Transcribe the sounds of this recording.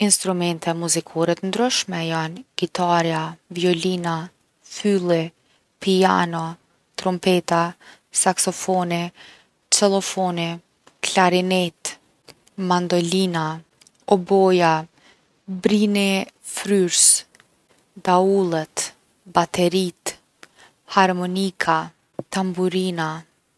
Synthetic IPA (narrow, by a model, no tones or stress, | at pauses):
inst̪ɾumɛnt̪ɛmuzikʰɔɾɛt̪ənd̪ɾyʃmɛjanɡit̪ʰaɾjaviɔlina | fylˠi | pianɔ | t̪ɾɔmpɛt̪a | saksɔfɔni | t͡ʃɛlˠɔfɔni | klaɾinɛt̪ | mand̪ɔlina | ɔbɔja | bɾinɛfɾyɾs | d̪aulˠɛt̪ | bat̪ʰɛɾit̪ | haɾmɔnikʰa | t̪ambuɾina